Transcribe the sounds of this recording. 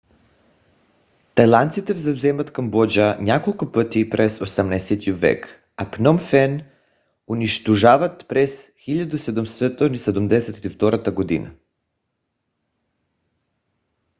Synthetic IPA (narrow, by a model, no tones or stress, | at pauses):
t̪ajlˠant̪sit̪ɛvzavzɛmat̪kambɔd͡ʒanʲakolˠkʊpət̪ipɾɛsosɛmnasɛt̪iovɛ̰k | apnɔmfɛn | uniʃt̪oʒavat̪pɾɛsxiʎʲad̪usɛd̪umst̪ɛt̪onisɛd̪umd̪ɛsɛt̪ift̪ɔɾat̪aɡod̪ḭna̰